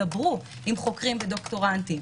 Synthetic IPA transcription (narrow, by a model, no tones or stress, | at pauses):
abʁu | imχo̞kʁimbedo̞kto̞ʁantim